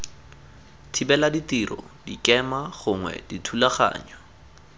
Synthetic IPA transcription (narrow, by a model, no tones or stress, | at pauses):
tʰibɛladitirɔ̰dikɛmaχʊŋwɛ̰ditʰulaχa̰ːɲa